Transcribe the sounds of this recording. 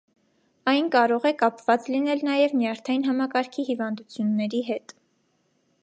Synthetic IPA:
ɑjnkɑɾɔʁɛkɑpvɑt͡slinɛlnɑjɛvnjɑɾt̪ʰɑjinɦɑmɑkɑɾkʰihivɑnd̪ut͡sʰjunːɛɾiɦɛt̪

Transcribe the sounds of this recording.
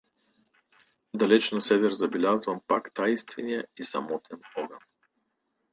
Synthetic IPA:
d̪ɐlɛt͡ʃnɐsɛvɛɾzɐbɛlʲazvampakt̪ajst̪viniɛisɐ̰mɔt̪ʰɛnɔɡɐn

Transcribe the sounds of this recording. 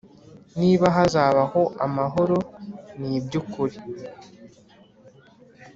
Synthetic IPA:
niːβaɦazaːβaho̞ʔamaɦo̞ɾo̞nibjukuɾi

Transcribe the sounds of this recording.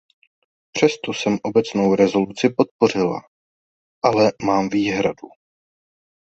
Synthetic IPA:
pr̥ɛst̪osɛmʔo̞bɛt͡snowɾɛzo̞lut͡sɪpo̞t̪̚po̞r̝ɪla̰ | ʔalɛmaːmviːɦɾadu

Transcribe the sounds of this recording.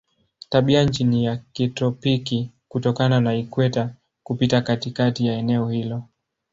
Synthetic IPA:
taɓiant͡ʃinijakitɔpiki | kutɔkananaikwɛta | kupitakatikatijaɛnɛɔhilɔ

